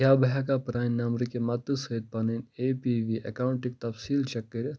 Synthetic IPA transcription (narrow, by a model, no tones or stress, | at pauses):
kʲaːbɐɦakapɾaːnnɐmɾikemɐt̪ːɨsɐd̪̚pɐnineːpiːʋiːʔɐ̰kaːuɳʈik̚t̪ɐfsiːlt͡ʃɐkːəɾʲ